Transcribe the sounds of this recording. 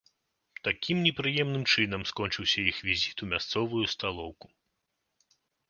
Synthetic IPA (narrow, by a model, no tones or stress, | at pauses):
t̪akʲʰimnʲɛpɾɨjɛmnɨmt͡ʂɨnɐmskɔnʲt͡ʂɨwsʲɐjixvʲizʲit̪umʲast̪sɔvujust̪alˠɔwku̥